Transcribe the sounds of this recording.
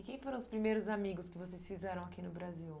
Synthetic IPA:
ɪkẽj̃foɾɐ̃ʊspɾimejɾʊzamiɡʊskɪvosejsfizɛɾɐ̃w̃akinʊbɾaziw

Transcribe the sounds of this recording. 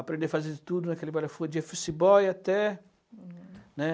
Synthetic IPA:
apɾẽnd̪efazed̪ɪt̪ud̪unakɛlibalafud͡ʒiafusibɔjat̪ɛ | nɛ

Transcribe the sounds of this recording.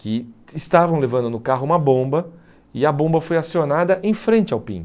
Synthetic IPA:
kɪːst̪avɐ̃w̃levɐ̃nd̪ʊnʊkaɦʊũmɐbõbɐ | ɪɐbõbɐfojasionad̪ɐʔẽj̃fɾẽnt͡ʃɪawpḭ̃

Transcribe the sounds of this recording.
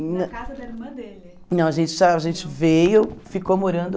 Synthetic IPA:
nɐ̃kazɐd̪ɐmɐ̃d̪el | nɐ̃w̃ɐʒẽnt͡ʃɪ̥sɔɐʒẽnt͡ʃɪvejofikomoɾɐ̃nd̪ʊ

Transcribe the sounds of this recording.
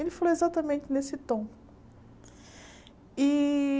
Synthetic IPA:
elɪfaloezat̪ɐmẽnt͡ʃɪnesɪt̪õw̃ | ɪ

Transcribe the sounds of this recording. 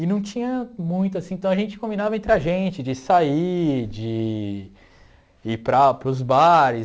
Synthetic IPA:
ɪnɐ̃w̃t͡ʃĩɲɐmũj̃t̪ʊasĩt̪ɐ̃w̃ɐʒẽnt͡ʃɪ̥kõmbinavɐẽnt̪ɾɪaʒẽnt͡ʃɪd͡ʒɪsaid͡ʒɪ | pɾɐpɾʊzbaɾɪ

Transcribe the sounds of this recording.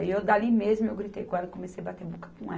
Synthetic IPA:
iewd̪alimezmʊewɡɾit̪ḛjkaɾɐ̃komesejabat̪ebukɐ̥kũɛ

